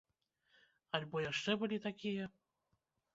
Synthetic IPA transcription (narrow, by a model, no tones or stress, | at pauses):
ɐlʲbɔjaʂt͡ʂɛbɨlʲit̪akʲijɐ